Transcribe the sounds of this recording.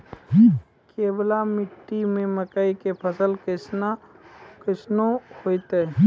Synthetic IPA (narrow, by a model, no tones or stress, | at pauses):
keːblamɪʈːimẽməkaikepʰəsəlkɪsakɪsnohoːit̪e